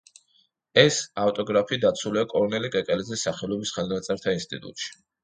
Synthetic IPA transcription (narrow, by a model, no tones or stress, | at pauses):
ɛsaft̪ʼɔɡɾapʰiːd̪at̪sʰuliakʼɔɾɔnɛlikʼɛkʼɛlɛzɛsːaχɛlɔbisχɛlˠnat̪sʼɛɾt̪ʰainst̪ʼḭt̪ʼṵt̪ʼʃi̥